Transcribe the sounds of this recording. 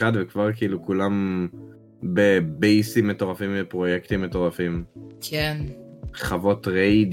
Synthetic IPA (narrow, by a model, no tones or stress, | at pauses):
advekvaʁkiʔilukulam | bebejsimeto̞ʁafimvepʁo̞jekt̪imːeto̞ʁafimkʰenχavo̞tʁejd